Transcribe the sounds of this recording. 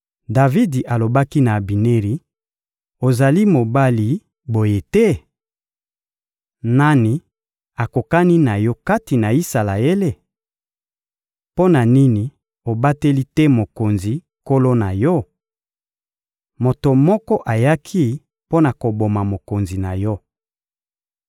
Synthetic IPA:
da˨vi˦di˨ʔa˨lo˨ba˦ki˦na˨bi˨ne˦ʁi˨ | o˨za˨li˦mo˨ba˦li˨ | bo˨je˦tɛ˦ | na˦ni˨ | a˨ko˨ka˦ni˦na˨jɔ˦ka˦ti˨na˨i˦sa˨la˨je˦le˦ | po˦na˨ni˦ni˨ | o˨ba˦te˦li˦tɛ˦mo˨ko˨nzi˨ | ko˦lo˦na˨jɔ˦ | mo˨to˨mɔ˦kɔ˦ʔa˨ja˦kʰi˦ | po˦na˨ko˨bo˨ma˨mo˨ko˨nzi˨na˨jɔ˦

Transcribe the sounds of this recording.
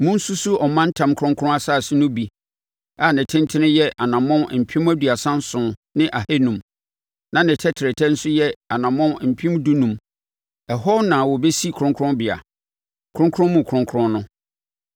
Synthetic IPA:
mʊ̃˦n̩˦su˦su˦ɔ˨mã˦n̩˦tʰã˨mkʰɾʊ̃˦ŋkʰɾʊ̃˦a˦sa˦˨sɪ˦nʊ̃˦bi˨ | a˨nɪ̃˨tʰɪ̃˦ntʰɪ˦nɪ̃˦jɛ˦ʔa˨nã˨mɔ̃˦m˨m̩˨pʰĩ˦mæ˦du˨a˨sã˦n̩˦sʊ̃˨nɪ̃˦ʔa˨he˦nũ˨m | nã˨nɪ̃˨tʰɛ˦tʰɪ˨ɾɛ˨tʰɛ˦n̩˦sʊ˦jɛ˦a˨nã˨mɔ̃˦m˦m̩˨pʰĩ˦m˦du˦nũ˨m | ɛ˨ɦɔ˦nã˨wɔ˨be˦si˦˨kʰʊ˨ɾʊ̃˦ŋkʰʊ̃˦bɪ˨a̰˨ | kʰʊ̃˦ŋkʰʊ̃˦mũ˨kʰʊ̃˦ŋkʰʊ˦ɾʊ̃˦nnʊ̃˦

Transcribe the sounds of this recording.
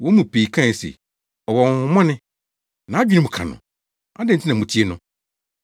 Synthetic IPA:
wɔ̃˨˦mũ˨pʰe˨i˨kʰã˦˨n˨sḛ˨ | ɔ˨wɔ˨ŋ˨hʊ̃˨mɔ̃˦nɪ̃˦ | nã˨˦d͡ʑᶣi˦nɪ̃˦mʊ̃˨kʰã̰˨nʊ̰̃˨ | a˦dɛ̃˦˨n˨tʰi˦nã˨mũ˨tʰi˦e˦nʊ̃˦

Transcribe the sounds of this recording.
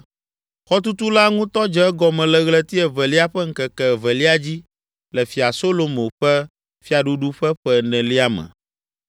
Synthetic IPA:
xɔ˦t̪u˦t̪u˦la˦ŋũ˦t̪ɔ˦d͡ʒɛ˦ɛ˦ɡɔ˨mɛ̃˨lɛ˨ɣlɛ˦t̪i˦ɛ˨vɛ˨li˦a˦ɸɛ˦ŋ̩˦kɛ˨kɛ˨vɛ˨li˦a˦d͡ʑi˦ | lɛ˨fi˨a˨so˦lo˨mõ˨ɸɛ˦ | fi˦a˨ɖu˦ɖu˦ɸɛ˦ɸɛ˦nɛ̃˨li˦a˦mɛ̰̃˨

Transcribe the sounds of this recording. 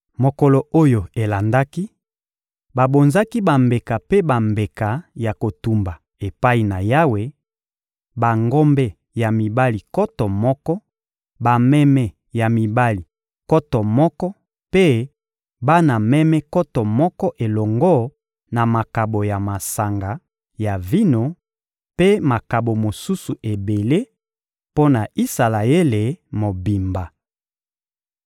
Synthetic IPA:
mo˨kɔ˨lɔ˨o˦jo˨e˨la˨nda˦ki˦ | ba˨bo˨nza˦ki˦ba˨mbe˨ka˨pe˦ba˨mbe˨ka˨ja˨ko˨tu˨mba˨ | e˨pa˦i˨na˨ja˦we˨ | ba˨ŋɡɔ˦mbɛ˦ | ja˨mi˨ba˦li˨kɔ˦tɔ˨mɔ˦kɔ˦ | ba˨mɛ˦mɛ˨ | ja˨mi˨ba˦li˨ | kɔ˦tɔ˨mɔ˦kɔ˦ | pe˦ | ba˦na˨mɛ˦mɛ˦kɔ˦tɔ˨mɔ˦kɔ˦ʔe˨lɔ˨ŋɡɔ˦ | na˨ma˨ka˨bo˨ja˨ma˨sa˨ŋɡa˨ | ja˨vi˦no˨ | pe˦ma˨ka˨bo˨mo˨su˦su˨ʔe˨be˨le˦ | po˦na˨i˦sa˨la˨e˦le˨mo˨bi˨mba˨

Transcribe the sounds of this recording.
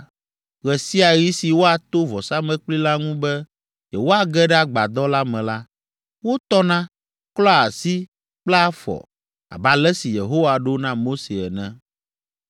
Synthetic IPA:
ɣɛ˨si˦a˨ji˦si˨wo˦a˨t̪o˦vɔ˨sa˦mɛ̃˦k͡pli˦la˦ŋũ˦bɛ˦ | jɛ˨wo˦a˨ɡɛ˦ɖɛ˦a˨ɡ͡ba˨d̪ɔ˦la˦mɛ̃˨la˦ | wo˦t̪ɔ˦nã˦ | klɔ˦a˨si˦ | k͡plɛ˦a˦fɔ̰˨ | a̰˨ba˨lɛ˦si˨je˨ɦo˦wa˨ɖo˦nã˦mo˦se˨ɛ˨nɛ̃˦

